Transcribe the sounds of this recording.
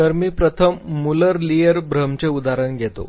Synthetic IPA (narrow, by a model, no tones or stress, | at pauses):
əɾmiːpɾət̪ʰəmːuləɾlijəɾbʱɾəmt͡seud̪aɾəɳɡʱet̪o̰